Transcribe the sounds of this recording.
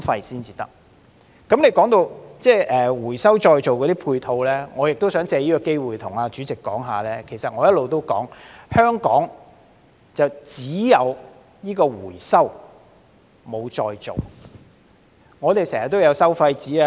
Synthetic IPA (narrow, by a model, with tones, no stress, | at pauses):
fɐ˧jsiː˥nt͡siː˨˧t̪ɐ̰˥k̚ | kɐ˨˥mnle˨˧jkɔː˨˥ŋt̪o˧wt͡sɛː˥ʔɛː˨wuː˨˩jsɐ˥wt͡ʃɔː˧jt͡so˨wkɔː˨˧t̪iː˥pʰuː˧jt̪ʰo˧wlɛː˥ŋɔː˨˧jɪ˨k̚t̪o˥wsœː˨˥ŋt͡sɛː˧jiː˥kɔ˧ke˥jwuː˨˩jt̪ʰʊ˨˩ŋaː˧t͡ʃyː˨˥t͡sɪ˨kːɔː˨˥ŋɦa̰ː˨lɛː˥kʰe˨˩jsɐ˨t̚ŋɔː˨˧jɐ˥t̚lo˨wt̪o˥wkɔ̰ː˨˥ŋhœː˥ŋkɔː˨˥ŋ | t͡sɐ˨wt͡siː˨˥jɐ˨˧w | jiː˥kɔː˧wuː˨˩jsɐ˥w | mo˨˧wt͡ʃɔː˧jt͡so˨˩w | ŋɔː˨˧t̪e˨jsɛː˨˩hɐ˨˩t̪ːo˥wjɐ˨˧wsɐ˥wfɐ˧jt͡siː˨˥a˧